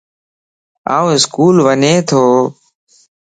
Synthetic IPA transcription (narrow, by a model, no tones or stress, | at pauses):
a̰ːũːɦɪskuːlʋəneːt̪ʰoː